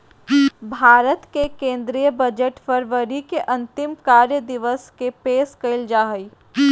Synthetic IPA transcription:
bʱaːɾət̪kekẽːnd̪ɾijəbɐd͡ʒəʈfəɾʋəɾikeʔɐ̃nt̪ɪmkaːɾjəd̪ɪʋəskepeːskɐɪld͡ʒaːɦəi

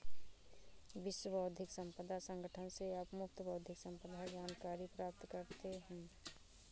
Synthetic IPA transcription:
bɪʃwəbəʊd̪ʱɪksə̃mpəd̪ʱasə̃ŋɡəʈʰənseapmʊk̚t̪bəwd̪ʱɪksə̃mpəd̪ʱad͡ʒaːnkaːɾipɾaːp̚t̪kəɾt̪eɦɛ̃ː

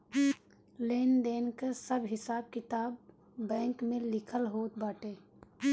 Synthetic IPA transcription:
leːnd̪eːnkasəbɦɪsaːb̚kɪt̪aːbː | ɛ̃ːŋkmẽlɪkʰəlɦoːt̪̚baːʈeː

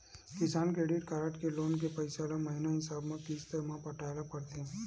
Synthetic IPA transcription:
kɪsaːnkɾeːɖɪʈkaɾəʈkeloːnk̬epəɪsalamɐɦɪnaɦɪsaːbmẽkiːst̪emãpɐʈʰaːlapɐɾt̪e

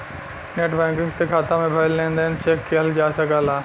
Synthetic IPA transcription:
neːʈbɛ̃ːŋkɪ̃ŋɡst̪ekʰaːt̪ãmẽbʱaɪlːẽːnd̪aɦɪnt͡ʃeːkːeɦɐld͡ʒaːsɐɡaːlaː

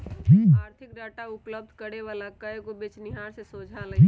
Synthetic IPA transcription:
ɦĩːaːɾt̪ʰɪkɖaːʈaʊpləbd̪ʱkəɽeʋaːlakəekobet͡ʃnɪɦaːɾsesoːd͡ʒʱalɐ̃

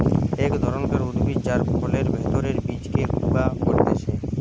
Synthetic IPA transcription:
ekd̪ʱɔɾonk̪eɾud̪bid͡ʑaɾbokoleɾbʱet̪oɾeɾbid͡ʑkeɡubakoɾt̪et͡ɕʰe

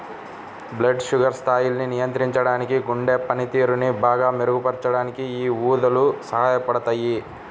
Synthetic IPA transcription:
bleɖʂuɡɐɾst̪ʰaːjulɐninijɐnt̪ɾiɲt͡ʃɐɽaːnikiɡuɳɖeːpɐnit̪iːɾunibaːɡaːmeɾuɡupɐɾt͡ʃɐɽaːnikiiːuːd̪ɐlusɐɦaːjɐpɐɽɐt̪aːji

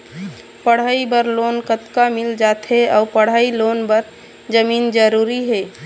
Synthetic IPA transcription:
pəɽ̤aibəɾloːnkət̪kamɪld͡ʒat̪ɦeaːʊpəɽ̤ailoːnbəɾ | d͡ʒəmiːnd͡ʒəɾuɾiɦeː

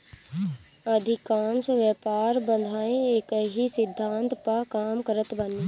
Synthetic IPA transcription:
əd̪ʱɪkaːnsʋjɛːpaːɾbə̃nd̪ʱaːẽekəɦisɪd̪ʱːãːnt̪pakaːmkəɾət̪bɐniː

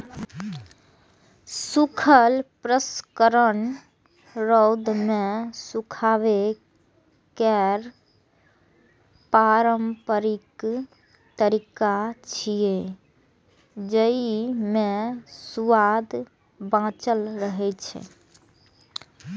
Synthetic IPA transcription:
sukʰəlpɾəskəɾən | ɾɔwd̪mesukʰaβe | kɛɾ | paɾəmpəɾik | t̪əɾikat͡ʃʰije | d͡ʒəimesuʋad̪ | bãt͡ʃəlɾəɦɛt͡ʃʰɛ̰

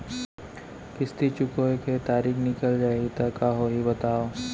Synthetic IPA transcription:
kɪst̪ʰit͡ʃʊkoeket̪aːɾiːxnɪkəld͡ʒaːeɡit̪ɐkaɦoɦibɐt̪aːoː

